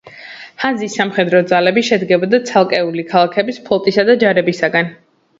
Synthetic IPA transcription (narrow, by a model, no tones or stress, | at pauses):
hanzisːamχɛd̪ɾɔd̪zalɛbiʃɛd̪ɡɛbɔd̪at̪sʰalˠkʼɛulikʰalˠakʰɛbispʰɔlˠt̪ʼisad̪ad͡ʒaɾɛbisaɡan